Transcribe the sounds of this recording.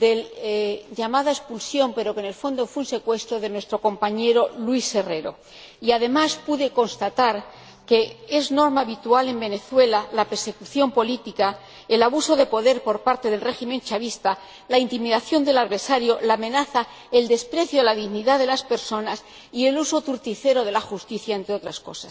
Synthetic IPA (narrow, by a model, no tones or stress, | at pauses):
d̪e̞l | ʎamaðaespulsjo̞mpe̞ɾo̞kene̞lfo̞nd̪o̞fweunse̞kwe̞st̪ɾoðe̞nwe̞st̪ɾo̞ko̞mpaɲe̞ɾo̞lwise̞re̞ɾo̞̰ | iaðe̞maspuðe̞ko̞nst̪at̪aɾ | ke̞e̞zno̞ɾmaːβit̪uale̞mbe̞ne̞θwe̞lalape̞ɾse̞kuθjo̞mpo̞lit̪ika | elaβuso̞ðe̞po̞ðe̞ɾpo̞ɾpaɾt̪e̞ðe̞lre̞ximẽ̞nt͡ʃaβist̪a | laint̪imiðaθjo̞nd̪e̞laðβe̞ɾsaɾjo̞laːmẽ̞naθa | e̞ld̪e̞spɾe̞θjolaðiɣniðaðe̞laspe̞ɾso̞nas | ie̞luso̞t̪uɾt̪iθe̞ɾo̞ð̞e̞laxust̪iθjae̞nt̪ɾeo̞t̪ɾasko̞̰sḁs